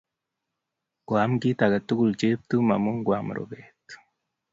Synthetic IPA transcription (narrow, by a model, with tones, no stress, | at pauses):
ɡwaː˨˦mɡiː˦ta˨ɡa˨tu˦ɡu˨lt͡ʃe˦β̚tu˦ma̰˨mu˦ŋɡwaː˨mṵ˨ɾo̰˨βeː˨tu̥